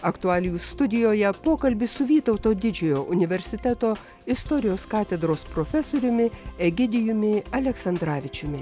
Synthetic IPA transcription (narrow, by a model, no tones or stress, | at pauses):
ɐkt̪ʊɑːlʲɪjust̪ʊd̪ʲɪjoːjɛpoːkɐlʲbʲɪsʊʋʲiːt̪ɒʊt̪oːd̪ʲɪd͡ʒʲʊjoːʔʊnʲɪʋʲɛɾʲsʲɪt̪ʲæt̪oː | ɪst̪ɔɾʲɪjoːskɑːt̪ʲɛd̪ɾoːspɾoːfʲɛsoːɾʲʊmʲɪɛɡʲɪd̪ʲɪjʊmʲɪɐlʲɛksɐnd̪ɾɑːʋʲɪt͡ʃʲʊmʲɪ